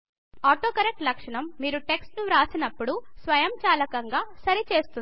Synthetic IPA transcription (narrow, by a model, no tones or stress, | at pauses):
aːʈoːkɐɾek̚ʈlɐkʂɐɳɐmːiːɾuʈe̞ksʈnuɾaːsinɐpːuɽusʋɐjɐmt͡ʃaːlɐkɐŋɡaːsɐɾit͡ʃe̞ːst̪un